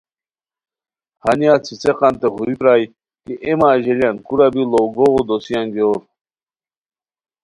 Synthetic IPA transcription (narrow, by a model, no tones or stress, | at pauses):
hanjat͡sʰit͡seqɑnt̪eχuɾipɾaj | kiʔemaːʑeljankuɾabiloɡoʁod̪osijanɡoɾ